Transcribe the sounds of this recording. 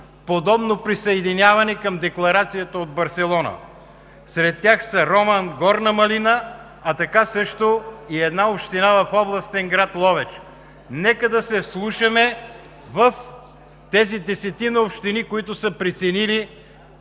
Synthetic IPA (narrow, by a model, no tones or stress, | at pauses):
pod̪ɔbnopɾisəɛd̪inʲjavɐnɛkəmd̪ɛklˠɐɾat̪sijət̪əod̪̚bɐɾsɛlˠɔnə̰ | sɾɛt̪ːjaxsəɾɔmənɡɔɾnɐmɐlinə | ɐt̪ɐkasɤʃt̪oiɛd̪naopʃt̪inavɐfɔblˠɐst̪ɛŋɡɾat̪lˠɔvɛt͡ʃ | nɛkəd̪ɐsɛslˠuʃɐmɛ | vəf | t̪ɛzid̪ɛsɛt̪inəopʃt̪inikoit̪ʊsəpɾit̪sɛnili